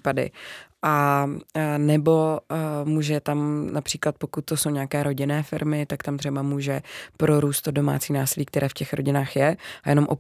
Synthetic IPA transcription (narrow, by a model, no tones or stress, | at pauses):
padɪ̰ʔa | nɛbo̞muːʒɛt̪amnapr̥iːklat̪̚po̞kut̪̚tːoso̞wɲakɛːɾo̞ɟɪnɛːfɪɾmɪt̪akt̪amt̪r̥ɛbamuːʒɛpɾo̞ɾuːst̪odo̞ma̰ːt͡siːnaːsɪliːk̚t̪ɛɾʔɛːfcɛxɾo̞̰ɟɪnaːxjɛajɛnomʔo